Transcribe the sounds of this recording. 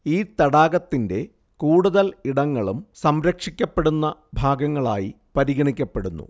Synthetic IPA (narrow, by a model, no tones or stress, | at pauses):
iːt̪ɐɽaːɡɐt̪ːinde̞ | kuːɽuðɐliɽɐŋːɐɭumsɐmɾɐkʂikʲːɐpːe̞ɽunːɐbʱaːɡɐŋːɐɭa̰ːji | pɐɾiɡɐɳikʲːɐpːe̞ɽunːṵ